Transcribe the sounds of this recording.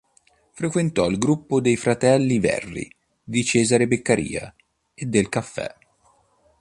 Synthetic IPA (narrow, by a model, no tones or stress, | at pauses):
fɾekwent̪ɔilɡɾupːod̪ejfɾat̪ɛlːivɛ̰rːḭ | d̪it͡ʃɛːzaɾebekːaɾḭːa̰ | ed̪ːelkafːɛ̰